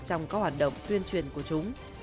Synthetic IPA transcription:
t͡ɕɔ˧wŋ͡mkɔ˨˥hwaː˨˩t̚ɗə̰˧˨wŋ͡mt̪wi˧ənt͡ɕwi˨˩ənku˧˩ət͡ɕʊ˨˦ŋ͡m

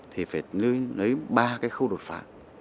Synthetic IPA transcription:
t̪ʰi˨˩faː˧˩jlɨ˧jlə˨˦jɓaː˧kaː˨˦jxə˧wɗo˨˩t̚fa̰ː˧˥

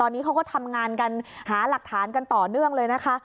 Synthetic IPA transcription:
ɔː˧nːiː˦˥kʰa˦wkɔː˥˩t̪ʰa˧mŋaː˧nka˧nhaː˩˦la˨˩k̚t̪ʰaː˩˦nka˧nt̪ɔː˨˩nɯ˥˩əŋlɤː˧jna˦˥kʰa˦˥ʔ

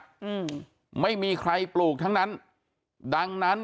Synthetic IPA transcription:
ma˥˩jmiː˧kʰɾa˧jpluː˨˩k̚t̪ʰa˦˥ŋna˦˥n | da˧ŋna˦˥n

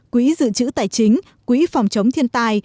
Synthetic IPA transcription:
kwi˧˨˦zɨ̰˧˨t͡ɕɨ̰˧˥t̪aː˨˩jt͡ɕï˨˦ŋ̟ | kwi˧˨˦fɔ˨˩wŋ͡mt͡ɕə˨˦wŋ͡mt̪ʰi˧ənt̪aː˧j

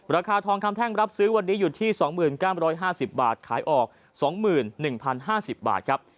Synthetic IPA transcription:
ɾaː˧kʰaː˧t̪ʰɔː˧ŋkʰa˧mt̪ʰɛː˥˩ŋɾa˦˥p̚sɯː˦˥wa˧nːiː˦˥juː˨˩t̪ʰiː˥˩sɔː˩˦ŋmɯː˨˩nkaː˥˩wɾɔː˦˥jɦaː˥˩si˨˩p̚ba̰ː˨˩t̪̚kʰaː˩˦jʔɔː˨˩k̚ | sɔː˩˦ŋmɯː˨˩nːɯ˨˩ŋpʰa˧nɦaː˥˩si˨˩p̚ba̰ː˨˩t̪̚kʰɾp̚

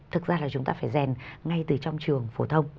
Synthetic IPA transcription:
t̪ʰɨ˨˩k̚zaː˧laː˨˩t͡ɕʊ˨˦ŋ͡mt̪aː˧faː˧˩jzɛ˨˩nŋa˧jt̪ɨ˨˩t͡ɕɔ˧wŋ͡mt͡ɕɨ˨˩əŋfo˧˩t̪ʰə˧wŋ͡m

